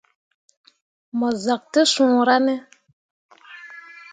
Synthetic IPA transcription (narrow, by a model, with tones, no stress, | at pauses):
mɔ˨za˨k̚tə˦sũ˨ɾa˦nɛ˦